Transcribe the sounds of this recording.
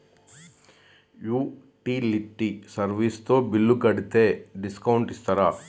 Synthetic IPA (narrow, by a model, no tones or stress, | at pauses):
juː | ʈiːliʈːisɐɾʋiːst̪oːbilːukɐɽit̪eːɖiskɐwɳʈist̪ɐɾaː